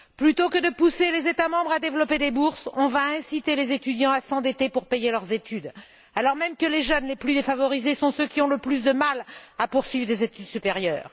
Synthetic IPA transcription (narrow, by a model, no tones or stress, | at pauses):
plyt̪okəd̪əpuselezet̪amɑ̃bʁad̪evlɔped̪ebuʁsɔ̃vaɛ̃sit̪elezet̪yd̪jɑ̃asɑ̃d̪et̪epuʁpejelœʁzet̪yd̪ | alɔʁmɛmkəleʒœnleplyd̪efavɔʁizesɔ̃søkʲiɔ̃ləplys̬d̪əmalapuʁsɥivʁd̪ezet̪yd̪sypeʁjœ̰ːʁ